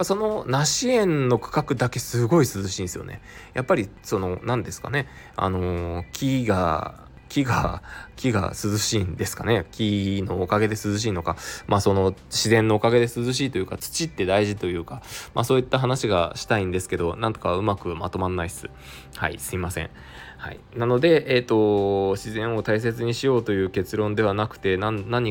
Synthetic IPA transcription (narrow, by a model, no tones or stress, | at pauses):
pːaso̞no̞naɕiẽ̞nːo̞kɯ̥kakɯ̟d̪ake̞sɨɡo̞isɨzɨɕĩnesɨjo̰nʔe̞̰japːaɾʲiso̞no̞nãnd̪e̞sɨ̥ka̰ne̞ | a̰no̞kʲʰiɡa̰ | kʲiɡa̰kʲiɡa̰sɨzɨɕind̪e̞sɨ̥kane̞kʲino̞ːkaɡe̞d̪e̞sɨzɨɕ̬iːno̞kamaːso̞no̞ɕizẽ̞nːo̞ːkaɡe̞d̪e̞sɨzɨɕ̬iːt̪o̞jɯ̟ːkat͡sɨ̥t͡ɕit̪ːe̞d̪aiʑit̪o̞jɯ̟ːkama̰ːso̞ːit̪ːaɦanaɕiɡaɕi̥t̪aĩnd̪e̞sɨ̥ke̞d̪o̞nãnt̪okaaɯ̟makɯ̟mat̪o̞manːaisɨ̥̰ | ha̰ḭsɨimasẽ̞̰ɴ̃ | ha̰ḭ | nano̞d̪e̞ʔet̪o̞ɕizẽ̞ɰ̃o̞t̪ais̬e̞t͡sɨɲ̟iɕijo̞ːt̪o̞jɯ̟ːke̞t͡sɨɾõ̞nd̪e̞βanakɯ̟̥t̪e̞naːaɲ̟i